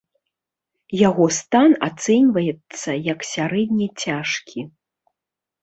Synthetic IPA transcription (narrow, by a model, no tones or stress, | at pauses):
jaɣɔst̪ana̰t̪sɛnʲvɐjɛt̪sːɐjɐksʲaɾɛd̪ʲnʲɐt͡sʲaʂkʲʰi